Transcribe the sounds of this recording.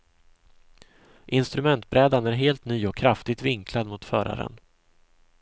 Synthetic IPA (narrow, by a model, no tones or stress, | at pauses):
ʔɪnst̪ɾɵmɛnt̪bɾɛːd̪anæɾɦeːlt̪nyːɔkʰːɾaft̪ɪɡ̚t̪vɪŋkʰlad̪mʊt̪fœːɾa̰ɾə̰n